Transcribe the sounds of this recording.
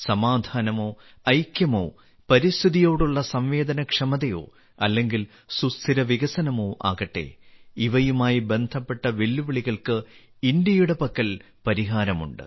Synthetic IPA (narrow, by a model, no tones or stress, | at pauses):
sɐmaːd̪ʱaːnɐmo̞ː | ɐjkjɐmo̞̰ː | pɐɾist̪ʰiðijo̞ːɽuɭːɐsɐmʋe̞ːd̪ɐnɐkʂɐmɐðɐjo̰ː | ɐlːe̞ŋɡil | sust̪ʰiɾɐʋiɣɐsɐnɐmoːʔa̰ːɣɐʈːḛːiʋɐjumaːjibe̞nd̪ʱɐpːe̞ʈːɐʋelːuʋiɭiɣɐɭkɨ | ind̪jɐjuɽepɐkːɐl | pɐɾiɦaːɾɐmṵɳɖɨ̰